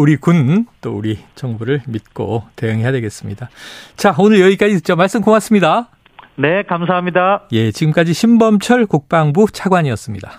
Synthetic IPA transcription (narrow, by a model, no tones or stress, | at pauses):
uɾikunt͈ouɾit͡ɕʌŋbuɾɯɭmit̚k͈o̰te̞jɯŋɦe̞jadwe̞ɡe̞s͈ɯmɲidat͡ɕaonɯɾjʌik͈ad͡ʑitɯt͡ɕ͈omaɭs͈ɯmkoŋas͈ɯmɲida | ne̞kamsʰaɦamɲidaje̞t͡ɕiɡɯmk͈ad͡ʑiɕʰimbʌmt͡ɕʰʌɭkok̚p͈aŋbut͡ɕʰaɡwaɲiʌs͈ɯmɲida